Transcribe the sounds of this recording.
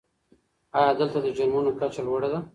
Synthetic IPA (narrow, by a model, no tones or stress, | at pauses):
ɑjɑd̪əlt̪ad̪əd͡ʒaɾmunokat͡ʃalwaɽad̪a